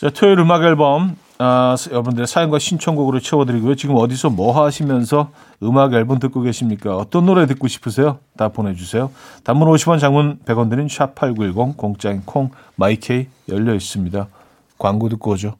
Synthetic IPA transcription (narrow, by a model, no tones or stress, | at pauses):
t͡ɕatʰeiɾɯmaɡʌɭbʌm | ajʌɾʌbundɯɾesʰajʌŋɡwaɕʰint͡ɕʰʌŋɡoɡɯɾoɭt͡ɕʰʌbʌdɯɾiɡojot͡ɕiɡɯmʌdisʰʌmʌɦaɦaɕʰimjʌnsʰʌ | ɯmaɡʌɭbomt̬ɯk͈oɡe̞ɕʰimɲik͈aʌt͈ʌnːoɾetɯk͈oɕʰi̥pʰɯs̬ʰe̞jotapone̞d͡ʑusʰe̞jotambunoɕʰibʌnt͡ɕaŋmunpe̞ɡwʌndɯɾinɕʰuapʰaɭɡuɭɡoŋkoŋt͡ɕ͈ainkʰoŋ | maikʰei | jʌʎːʌis͈ɯmɲida | kwaŋɡudɯk͈ʌd͡ʑo